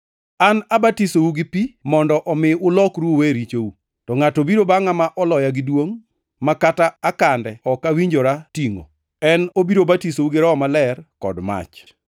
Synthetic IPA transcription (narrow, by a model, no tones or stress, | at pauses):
anabatisouɡɪpimɔndɔʔɔmɪʊlɔkɾuoweɾit͡ʃowu | tɔŋatobiɾobaŋamaʔɔlɔjaɡɪdwoŋ | makataːkandɛɔkawiɲd͡ʒoɾatiŋo̰ | ɛnobiɾobatisouɡɪɾaɔmalɛrkɔ̰dma̰t͡ʃ